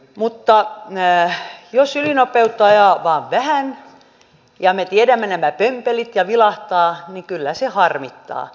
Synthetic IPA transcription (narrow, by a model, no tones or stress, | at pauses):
mut̪ːɑ | josylinopeut̪ːɑːjɑʋɑːʋʋæhæn | jɑmet̪iedæmːenæmæpømpelit̪jɑʋilɑht̪ɑːnikylːæsehɑrmit̪ːɑ̰ː